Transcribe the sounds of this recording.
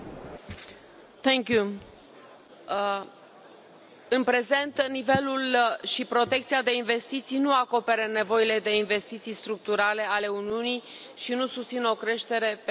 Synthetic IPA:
t̪ɛ̃ŋkju | ɨnpɾe̞ze̞nt̪nive̞lulʃipɾo̞t̪e̞k̚t̪sijad̪e̞inve̞st̪it̪sijnuako̞pe̞ɾəne̞vo̞ile̞d̪e̞inve̞st̪it̪sijst̪ɾuk̚t̪uɾale̞ale̞uniunij | ʃinusust̪sino̞kɾe̞ʃt̪e̞ɾe̞p

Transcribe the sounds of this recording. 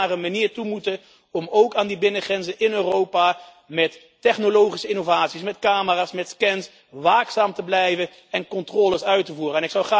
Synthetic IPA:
arəmaniːɹtumutə | ɔmowkaːndibɪnəχrɛnzənɪnøːrowpa | mɛtː | ɛχnolowχisəɪnovaːtsismɛtkaːməraːsmɛtskɛns | ʋaːksaːmtəblɛjvə | ɛnkɔntrɔːləsœɥtəvuːrəɛnɪksɑwχaː

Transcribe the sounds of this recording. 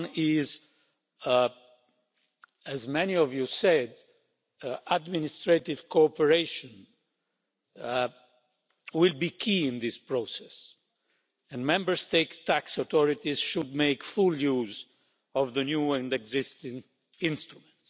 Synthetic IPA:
nɪz | æzmɛniɔvjusɛd | adminɪst̪ɹet̪ɪvkʰoɔpəɹeɪʃɔ̃n | wɪlbikʰiɪ̃nd̪ɪspɹosɛs | ɛ̃nmɛ̃mbəɹst̪eɪtst̪æksat̪ɔɹit̪izʃud̪̚meɪkfuljuːz | ɔvðənjuɛ̃ndɛɡzɪst̪ɪ̃ŋ | ɪ̃nst̪ɹumɛ̃nts

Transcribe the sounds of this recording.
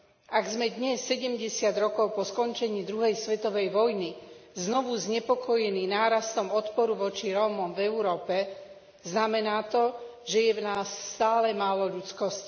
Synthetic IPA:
ʔaɡzmɛd̪ɲɛsːɛɟɛmɟɛsɪad̪ɾɔkɔʊpɔskɔɲt͡ʃɛɲiːd̪ɾuɦɛjsʋɛt̪ɔʋɛjʋɔjniznɔʋuzɲɛpɔkɔjɛniːnaːɾast̪ɔmɔt̪pɔɾuʋɔt͡ʃiɾɔːmɔmvɛuɾɔːpɛ | znamɛnaːt̪ɔʒɛjɛvnaːsːt̪aːlɛmaːlɔʎut͡skɔsc

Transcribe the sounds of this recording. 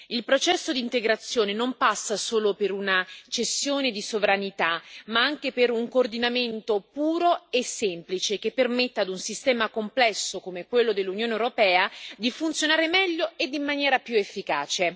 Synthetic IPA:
ilpɾot͡ʃɛsːod̪iːnt̪eɡɾat̪sːjoːnenompasːasoːlopeɾunat͡ʃesːjoːned̪isovɾanit̪amaaŋk̟epeɾuŋkoːrd̪inament̪opuːɾoesːemplit͡ʃek̟epːermet̪ːaːd̪unsist̪ɛːmakomplɛsːokomekːwelːod̪elːunjoːnewɾopɛːad̪ifunt̪sjonaːɾemɛʎːoed̪ːimːanjɛːɾapjuefːikaːt͡ʃe

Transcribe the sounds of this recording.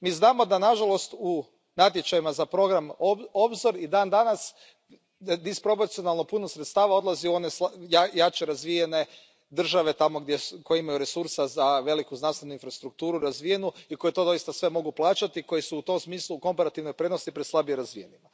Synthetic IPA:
miːznaːmo̞d̪anaʒalˠo̞st̪u | nat̪̬je̞t͡ʃajimazapɾo̞ɡɾamoo̞bzoɾid̪aːnd̪anas | d̪ispɾo̞p̬oɾt̪sio̞nalˠno̞punosɾet̪st̪aːʋao̞d̪lˠazio̞nesjajat͡ʃeɾazʋijene̞ | d̪r̩ʒaʋe̞t̪amo̞ɡd̪jeko̞jeimajuɾe̞suɾsazaʋe̞likuznanst̪enuinfɾast̪ɾuk̚t̪uːɾuɾazʋije̞nuiko̞jet̪o̞d̪o̞ist̪asʋe̞mo̞ɡuplˠaːt͡ʃat̪ikojesuːt̪o̞msmiːslˠuːko̞mpaɾat̪iʋno̞jpɾe̞d̪no̞st̪ipɾe̞d̪slˠabieɾazʋije̞nima

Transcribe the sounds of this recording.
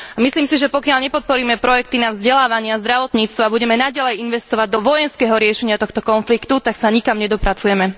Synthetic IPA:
amisliːmsiʒɛpɔkɪaʎɲɛpɔt̪̚pɔɾiːmɛpɾɔjɛk̚t̪inavzɟɛlaːʋaɲɪazd̪ɾaʋɔt̪ɲiːt͡st̪ʋabuɟɛmɛnaɟalɛjinʋɛst̪ɔʋaɟ̚d̪ɔʋɔjɛnskɛːɦɔɾɪɛʃɛɲɪat̪ɔxt̪ɔkɔnflikt̪ut̪aksaɲikamɲɛd̪ɔpɾat͡sujɛmɛ

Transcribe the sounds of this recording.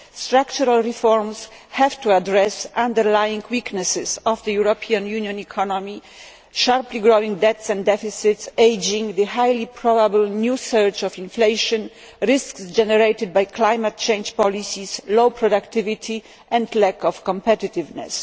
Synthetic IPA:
st̪ɾakt͡ʃuɾalɹifɔɾms | hɛvt̪uadɾɛsʔãnd̪ɛɾlajĩŋkʰwiknɛsɪsɔvd̪əjuɾɔpʰiãnjunjɔ̃nikʰɔnɔmi | ʃaɾpliɡɾowĩŋɡd̪ɛt̪sɛ̃ndɛfisɪt̪sejd͡ʒĩŋɡd̪ɨhajlipʰɾɔbabəlnjusɛɹt͡ʃɔfĩnflejʃɔ̃n | ɾɪsksd͡ʒɛnɛɾejt̪ɪd̪̚bajkʰlajmat̚t͡ʃẽjnd͡ʒpɔlisislowpɾɔd̪akt̪ɪvit̪ʰi | ʔɛ̃nd̪lɛkɔfkɔ̃mpɛt̪ɪt̪ɪvnɛ̰s

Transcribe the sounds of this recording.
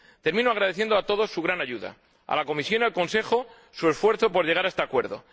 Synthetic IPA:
t̪e̞ɾmĩnoaɣ̞ɾaðeθje̞nd̪oat̪o̞ð̞o̞sːuɣ̞ɾanaʝuða̰ | a̰lako̞misjo̞nialko̞nse̞xo̞ | sue̞sfwe̞ɾθopo̞ɾʝe̞ɣaɾaest̪eakwe̞ɾðo̞̰

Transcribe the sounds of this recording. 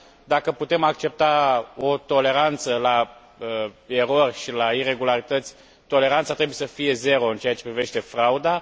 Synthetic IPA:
d̪akəput̪e̞mak̚t͡ʃe̞p̚t̪ao̞t̪o̞le̞ɾant̪səla | əe̞ɾo̞rʲʃilaire̞ɡulaɾit̪ət̪sʲ | t̪o̞le̞ɾant̪sat̪ɾebuje̞səfije̞ze̞ɾo̞ɨnt͡ʃe̞at͡ʃe̞pɾive̞ʃt̪e̞fɾaud̪a

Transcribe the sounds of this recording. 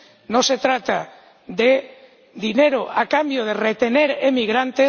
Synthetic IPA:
nose̞t̪ɾat̪a | ðe | ðine̞ɾoʔakambjoð̞eret̪e̞ne̞ɾemiɣ̞ɾant̪e

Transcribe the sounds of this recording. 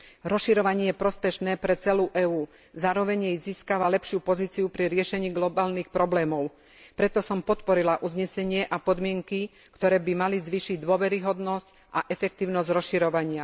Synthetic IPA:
ɾɔsʃiɾɔʋaɲɪɛjɛpɾɔspɛʃnɛːpɾɛt͡sɛluːʔɛːuː | zaːɾɔʋɛɲjɛjziːskaʋalɛpʃɪupɔziːt͡siupɾiɾɪɛʃɛɲiːɡlɔbaːlnixpɾɔblɛːmɔʊ | pɾɛt̪ɔsɔmpɔt̪pɔɾilaʔuzɲɛsɛɲɪɛʔapɔd̪mɪɛŋki | kt̪ɔɾɛːbimalizʋiːʃiɟd̪ʊɔʋɛɾiɦɔd̪nɔsc | ʔaʔɛfɛk̚t̪iːʊnɔzɟɾɔsʃiɾɔʋaɲɪa

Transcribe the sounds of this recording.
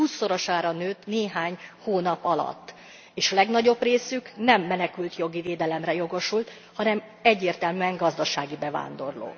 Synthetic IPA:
huːsːo̞ɾo̞ʃaːɾɒnøːt̪neːɦaːɲhoːnɒpɒlɒ̰t̪ː | eːʃɒlɛɡnɒɟo̞breːsyknɛmːɛnɛkylt̪jo̞ɡiveːd̪ɛlɛmrɛjo̞ɡo̞ʃult̪ | hɒnɛm | ɛɟːeːrt̪ɛlmyɛŋɡɒzd̪ɒʃaːɡibɛva̰ːnd̪o̞rlo̰ː

